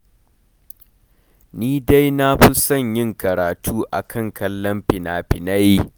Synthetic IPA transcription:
niː˦da˦jna˦ɸʊ˦sɐ˦˨ɲjɪ˦ŋkɐ˨ɾaː˨tʰuː˦ʔa̰˨kʰɐ˦ŋkʰɐ˦lːɐ˦mɸɪ˨naː˨ɸɪ˨na˦ji˦

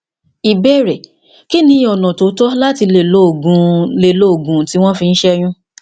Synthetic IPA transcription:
i˨be˦˨ɾɛ˨ | ki˦nĩ˧˦ɔ˨nɔ̃˨to˨˦tɔ˦la˦ti˧le˦˨lo˦o˨ɡũ˨le˨lo˦o˨ɡũ˨ti˦w̃ɔ̃˦fĩ˧n̩˦ʃɛ˦j̃ũ˦

